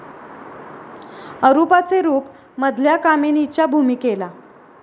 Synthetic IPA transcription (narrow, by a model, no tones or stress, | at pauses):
əɾupat͡seɾuːp | məd̪ʱljakamenit͡ɕabʱumiːkela